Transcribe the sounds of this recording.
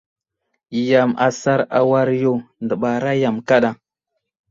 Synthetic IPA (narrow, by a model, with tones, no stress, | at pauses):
ja˨ma̰˨sa˦ɾa̰˨wa˦ɾjo˦˨ndə˨ɓa˨ɾa˦ja˨mka˦ɗa˦